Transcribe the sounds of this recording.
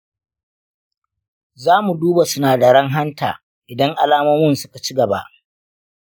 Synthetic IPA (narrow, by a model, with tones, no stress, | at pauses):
zaː˦mu˨duː˦ba˨sʊ˦naː˨da˨ɽɐ˦ŋɦa˦nta̰ː˨ | ʔɪ˨dɐ˦ŋʔa˨laː˦mɐ˦mʊ˦nsʊ˦ka˨t͡ʃi˦ɡɐ˨ba̰˦ʔ